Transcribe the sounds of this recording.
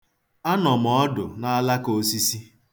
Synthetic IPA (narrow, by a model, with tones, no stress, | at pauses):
a˦nɔ˨m̩ɔ˨ɔ˦dʊ̰˨na˦a˦la˦ko˦si˦si˦